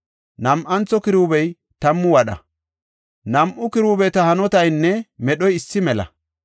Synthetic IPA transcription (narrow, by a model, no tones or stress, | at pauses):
nɐmʔɐnt͡sːɔkɪɾuːbɛj | t̪ɐmːʊwɐɗɐ̰ | nɐmʔʊkɪɾuːbɛt̪ɐhɐnɔt̪ɐjnːɛmɛɗɔjɪsːɪmɛlɐ̰